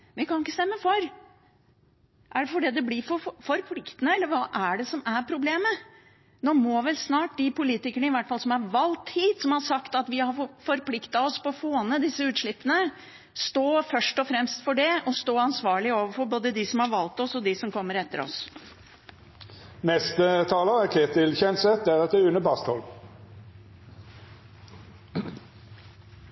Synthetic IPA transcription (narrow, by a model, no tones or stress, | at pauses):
ʋɪkʰɑnɪkːəst̪ɛmːəfɔɾ | ʔæɖɛfɔɖiːd̪ɛbliːfɔfɔɾpʰlɪkt̪ənəɛlːəɾʋɑːʔæɖɛsɔmæɾpʰɾʊbleːmə | noːmɔʋɛlsnɑːʈ̚d̪ɪpʊliːt̪ɪkəɳəɪʋæʈːfɑlsɔmhɑɾʋɑlt̪hiːt̪sɔmhɑʂɑkt̪ɑt̪ʋɪhɑɾfɔɾpʰlɪkt̪ɑɔspɔɔfoːnəd̪ɪsːəʉːt̪ʂɭɪpːənə | st̪oːfœʂʈɔfɾɛmst̪fɔɖɛɔst̪oːɑnsʋɑːɭɪoːʋəfɔɾboːd̪əd̪ɪsɔmhɑɾʋɑlt̪ɔsɔd̪ɪsɔmkʰɔmːəɾɛt̪ːə̰ɾɔ̰s | nɛst̪ət̪ʰɑːləʁəkʰeːt̪ɪlçɛnsɛt̪̚d̪æʁɛt̪̚d̪ɛʉnəbɑst̪ɔ̰l